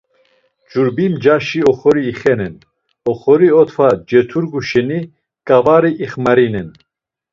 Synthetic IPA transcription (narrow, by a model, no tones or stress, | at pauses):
d͡ʒuɾbimd͡ʒaʃiɔχɔɾiːχɛnɛn | ɔχɔɾiɔt̪ʰvad͡ʒɛt̪ʰuɾɡuʃɛni | kʼavaɾiʔːχmaɾinɛn